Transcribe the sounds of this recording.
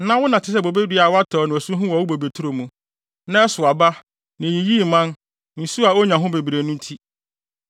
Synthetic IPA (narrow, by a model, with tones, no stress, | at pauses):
nã˦wʊ˦nã˨tʰɪ˦s̬ɛ˦bo˨be˦dɥa˨wa˦tʰɔː˨nɪ̃˨ɔ˨su˦ɦʊ̃˦wɔ˨wu˦bo˨be˨tʰu˦ɾo˨mũ˨ | nã˦sʊ˨a˨ba˦ | nɪ̃˨i˨ji˦˨mã˦n | n̩˨su˦a˨o˦ɲã˨ɦʊ̃˦be˨bɾe˨nʊ̃˦n̩˦tʰi˦